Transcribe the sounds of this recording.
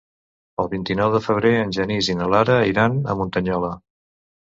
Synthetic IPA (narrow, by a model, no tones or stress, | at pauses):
əlˠβint̪inɔwðəfəβ̞ɾeənʲʒənizinəlaɾəiɾanə̰munt̪əɲɔlə